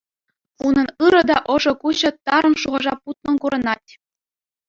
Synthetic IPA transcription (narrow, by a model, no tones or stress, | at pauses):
unɤ̆nɯɾɤ̆d̪ɑʔɤ̆ʐɤ̆kuɕɤ̆t̪ɑɾɤ̆nʂuʁɤ̆ʐɑput̪̚nɤ̆nkuɾɤ̆nɑtʲ